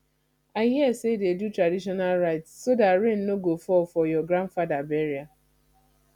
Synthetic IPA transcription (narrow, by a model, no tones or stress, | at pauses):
aɪɦiɛsededutɾadiʃ̬ɔnalɾaɪtsːodatɾennoɡofɔfɔjɔɡɾãnfadabɛɾia